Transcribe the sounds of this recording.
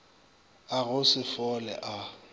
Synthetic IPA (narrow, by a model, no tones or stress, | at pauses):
aɣʊsɪfɔlɛ̰ʔa